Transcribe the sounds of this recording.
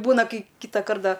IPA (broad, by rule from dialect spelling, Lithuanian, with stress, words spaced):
ˈbuːnɐ ˈkɐɪ ˈkʲiːtɐkɐrt ˈdɐ